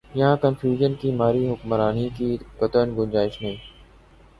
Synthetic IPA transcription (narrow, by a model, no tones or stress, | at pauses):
jɐɦãkənfjuːʒənkiːmaːɾiːɦʊkmɾaːniːkiːkət̪ənɡʊ̃nd͡ʒaːɪʃnẽː